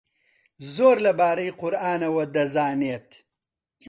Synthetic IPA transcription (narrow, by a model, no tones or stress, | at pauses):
zoːɾlɐbaːɾɐjqʊɾaːnɐwɐd̪ɐzaːneːt̪